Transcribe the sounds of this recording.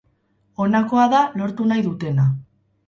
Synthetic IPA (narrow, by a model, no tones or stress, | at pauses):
o̞nako̞aðalo̞ɾt̪unajðut̪e̞na